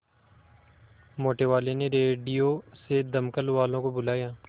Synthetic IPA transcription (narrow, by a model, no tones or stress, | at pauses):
moːʈeːʋaːleːneːɾeːɖijoːsed̪əmkəlʋaːlõːkobʊlaːjaː